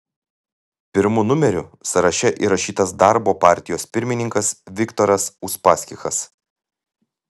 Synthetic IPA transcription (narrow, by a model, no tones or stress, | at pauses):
pʲɪɾmʊnʊmʲɛɾʲʊsɐɾɐʃʲɛʔḭːɾɐʃʲiːt̪ɐsd̪ɑˑɾboːpɑˑɾʲt̪ʲɪjoːspʲɪɾʲmʲɪnʲɪŋkɐsʋʲɪkt̪oɾɐsʊspɑːsʲkʲɪxɐs